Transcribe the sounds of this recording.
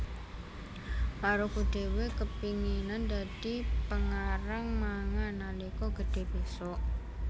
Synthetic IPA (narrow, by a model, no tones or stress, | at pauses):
maɾokuɖ̪̥e̤wekəpiŋinand̪ad̪̥i̤pəŋaɾaŋmaŋanalikɔɡ̥ə̤d̪̥e̤b̥esɔʔ